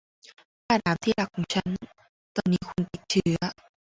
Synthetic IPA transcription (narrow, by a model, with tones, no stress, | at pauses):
kaː˧˩ɗaː˨˦mt̪ʰi˧˩laː˨˩kːu˧˩t͡ɕʰa˧˦n | t̪ɔ˧˩nːi˨˦˥xwu˧nt̪i˨˩ŋ̚t͡ɕɨ˨˩˦